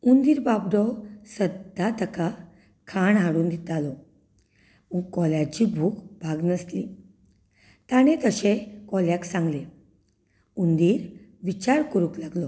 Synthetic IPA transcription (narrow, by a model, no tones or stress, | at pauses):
und̪iːɾbabd̪ɔsəd̪ʱːat̪əka | kʰaɳɦaɽuːnd̪it̪alɔ | ukːɔljat͡ɕibʱuːkbʱaɡnəsli | t̪añet̪əɕekɔljaksãŋɡle | und̪iːɾ | ʋit͡ɕaɾkəɾuklaɡlɔ